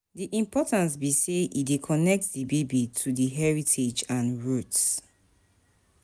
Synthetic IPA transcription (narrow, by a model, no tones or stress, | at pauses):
diʔĩmpʰɔtãns̬biseʔidekʰɔnɛk̚tdibebitʰudiɦɛɹitʰed͡ʒãnɹuts